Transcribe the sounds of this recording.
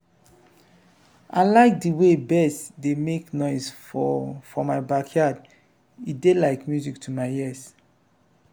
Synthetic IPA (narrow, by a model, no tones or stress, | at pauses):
ʔalaɪk̚diwebɛsdemeknɔɪsfɔfɔmaɪbakʰjad | idelaɪkmjuzik̚tʰumaɪɛs